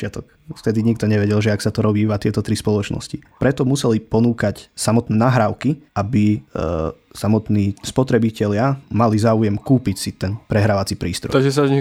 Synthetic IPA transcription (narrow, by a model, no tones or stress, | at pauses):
ɪat̪ɔk | ft̪ɛd̪iɲik̚t̪ɔɲɛʋɛɟɛlʒɛaksat̪ɔɾɔbiːʋat̪ɪɛt̪ɔt̪ɾispɔlɔt͡ʃnɔ̰scipɾɛt̪ɔmusɛlipɔnuːkacsamɔt̪nɛːnaɦɾaːʊkiʔabi | samɔt̪niːspɔt̪ɾɛbicɛʎɪamalizaːujɛmkuːpicsit̪ɛnpɾɛɦɾaʋat͡sipɾiːst̪ɾɔ̰t̪ɔʒɛs̬azɲi